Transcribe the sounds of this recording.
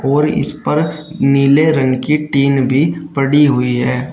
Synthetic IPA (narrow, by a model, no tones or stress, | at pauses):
ɔːɾɪ̰spɐɾniːleɾɐ̃ŋɡkiʈiːnbʱipəɽiɦʊiɦɛː